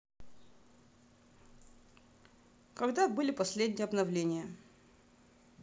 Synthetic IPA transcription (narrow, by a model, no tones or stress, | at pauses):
kɐɡd̪abɨlʲɪpɐsʲlʲed̪ʲnʲɪjəɐbnɐvlʲenʲɪjə